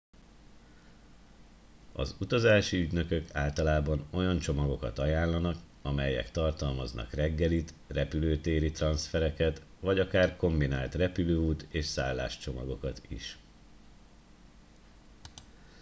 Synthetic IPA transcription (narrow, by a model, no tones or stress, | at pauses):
ɒ̰zut̪ɒzaːʃiyɟnø̞kø̞kaːlt̪ɒlaːbɒno̞jɒnt͡ʃo̞mɒɡo̞kɒt̪ɒjaːnlːɒnɒk | ɒmɛjɛ̰kt̪ɒrt̪ɒlmɒznɒ̰krɛɡːɛlit̪ | rɛpyløːt̪eːɾit̪rɒnsfɛɾɛkɛt̪ | vɒɟɒkaːrko̞mbina̰ːlt̪rɛpyløːuːt̪eːʃsa̰ːlːa̰ːʃt͡ʃo̞mɒɡo̞kɒt̪ḭʃ